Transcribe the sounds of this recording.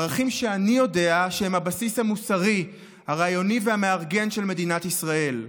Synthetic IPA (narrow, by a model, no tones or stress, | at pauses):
ʁaχimʃeanijo̞de̞aʃehemhabasishamusaʁi | haʁajo̞nivehame̞aʁɡe̞nʃe̞lme̞dinatisʁae̞l